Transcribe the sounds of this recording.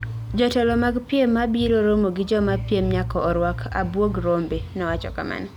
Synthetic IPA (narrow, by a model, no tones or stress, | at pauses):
d͡ʒɔtɛlɔmaɡpjemːabiɾoɾomoɡɪd͡ʒɔmapjemɲakɔːɾwakʰa̰bwoɡɾombenɔwat͡ʃɔ̰ka̰ma̰n